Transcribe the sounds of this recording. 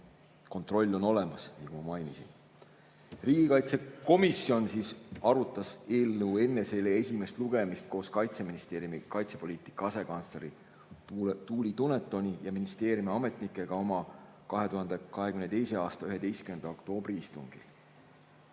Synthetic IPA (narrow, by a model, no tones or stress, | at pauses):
ko̞nt̪ˑro̞lʲːo̞no̞le̞mɑsnjɑɡumɑmɑjnisḭn | riːɡ̥ikɑjt̪se̞ko̞miso̞nsiːsɑɾut̪ːˑɑse̞ːlnəwe̞nːe̞se̞leesʲime̞st̪luɡ̥e̞mist̪̚ko̞ːskɑjt̪se̞minist̪e̞ːɾjumikɑjt̪se̞po̞liːt̪ˑi̥kːˑɑɑse̞kɑnsleɾi | t̪uːlit̪unet̪ːˑo̞nʲijɑminist̪e̞ːɾjumiɑme̞t̪ˑnikːˑe̞ɡ̥ɑo̞mɑ | kɑɦe̞t̪uhɑnd̪̥e̞kɑɦekymnet̪ejse̞ɑːst̪ɑyɦe̞d̪e̞jst̪kyme̞nd̪̥ɑokt̪o̞ːb̥riist̪uŋɡ̥ḭl